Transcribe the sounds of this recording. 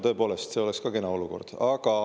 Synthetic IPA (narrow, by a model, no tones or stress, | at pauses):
t̪ɤ̞epo̞ːlest̪se̞o̞le̞kskɑkenɑo̞luko̞̰rd̪̥ɑɡ̥ɑ